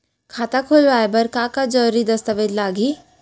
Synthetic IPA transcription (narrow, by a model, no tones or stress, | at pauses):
kʰaːt̪akʰoːlʋaːjbɐɾkãːkad͡ʒɔɾid̪ɐst̪aʋed̪laːɡi